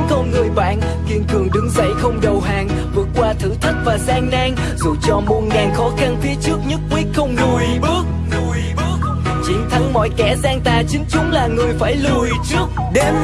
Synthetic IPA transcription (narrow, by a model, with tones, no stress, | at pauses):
kɔ˧nŋɨ˨˩əjɓa̰ː˧˨n | k̪i˧ənk̪ɨ˨˩əŋɗɨ˨˦ŋzə̰˧˥jxə˧wŋ͡mɗə˨˩wɦaː˨˩ŋ | vɨ˨˩ət̚kːwaː˧t̪ʰɨ̰˧˥t̪ʰə˦˥t̚vaː˨˩zaː˧ŋnaː˧ŋ | zu˨˩t͡ɕɔ˧mo˨˩t̚ŋaː˨˩nxɔ˨˦xa˧nfi˧ət͡ɕɨ˦˥ək̚ɲə˦˥t̚kwi˦˥t̚xə˧wŋ͡mzu˨˩jɓɨ˦˥ək̚ | jək̚ | t͡ɕḭ˧˩ŋt̪ʰa˨˦ŋmɔ̰˧˥jkɛ̰˧˥zaː˧ŋt̪aː˨˩t͡ɕï˨˦ŋ̟t͡ɕʊ˨˦ŋ͡mlaː˨˩ŋɨ˨˩əjfaː˧˩jlɨ˨˩əjt͡ɕɨ˦˥ək̚ɗe˧m